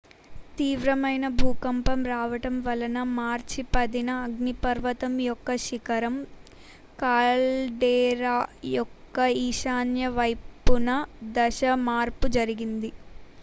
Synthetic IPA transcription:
t̪iːʋɾɐmɐjnɐbʱuːkɐmpɐmɾaːʋɐʈɐmʋɐlɐnɐmaːɾt͡ʃipɐd̪inɐːɡnipɐɾʋɐt̪ɐmjɔkːɐʃikɐɾɐm | kaːlɖeːɾaːjɔkːɐiːʃaːnjɐʋɐjpːunɐd̪ɐʃɐmaːɾpud͡ʒɐɾiɡind̪i

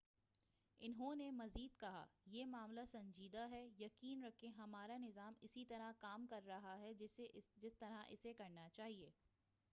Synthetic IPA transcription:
ɪnɦõnemɐziːd̪kɐɦa̰jeːmaːmlasɐ̃ɲd͡ʒiːd̪aɦɛjɐkiːnɾɐkʰẽɦɐmaːɾanɪzaːmɪsit̪ɐɾakaːmkɐɾːɐɦaɦɛd͡ʒɪst̪ɐɾaʔɪ̰sekɐɾnat͡ʃaːɦieː

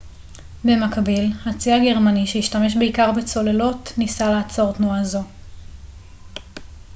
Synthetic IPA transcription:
be̞makbilhat͡siaɡe̞ʁmaniʃeiʃtame̞ʃbeikaʁbet͡so̞le̞lo̞tnisalaːt͡so̞ʁt̪nuazo̞

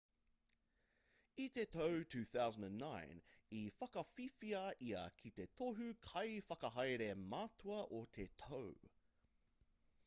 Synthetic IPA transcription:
it̪etʰowtʰʉːθawzə̃ndə̃nːaɪ̃nifɐkɐfifiɐʔiɐ̰kʰit̪e̞t̪ʰoɦʉkʰɐjfɐkɐɦɐjɾemaːtʰuɐʔot̪ʰet̪ʰow

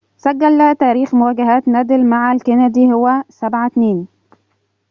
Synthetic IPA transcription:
sæɡːælːæht̪æːɾiːxmʊwæːɡaɦæːt̪næːd̪ɪlmaʕalkænæd̪iːhowːæsabʕat̪neːn

